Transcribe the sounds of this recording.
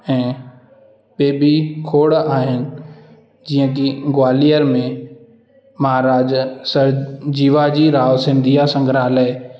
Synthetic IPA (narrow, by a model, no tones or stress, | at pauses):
ɛ̃ː | ɓeːbikʰoːɽaːɦɪnɪ̆ | d͡ʑiːə̃kiɡwaːlijəɾmẽ | mɐɦaːɾaːd͡ʑsɐɾd͡ʑiːʋad͡ʑiːɾaːʋosɪ̃nd̪ʱijasɐ̃ŋɡʱɾaːle